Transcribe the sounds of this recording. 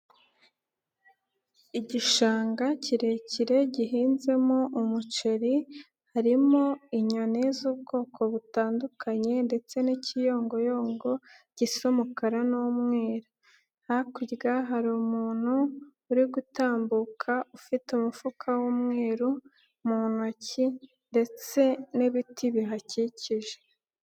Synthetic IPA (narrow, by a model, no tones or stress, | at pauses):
iɟiʃaːŋɡaciɾe̞ciɾe̞ɟiɦiːnze̞moʔumut͡ʃeɾi | haɾimo̞iɲonezuːb̚ɡo̞ːkʰo̞βutaːndukaɲe̞nde̞t͡se̞nicijo̞ːŋɡo̞jo̞ːŋɡo̞ɟ̥isomukaɾanomŋe̞ːɾo | hakwiɾɡaɦaɾumuːn̥huː | ɾiɡutaːmbukʰaufitumufukʰawumŋe̞ːɾu | muːn̥uaci | nde̞t͡se̞neβitʰiβiɦaciciʒe̥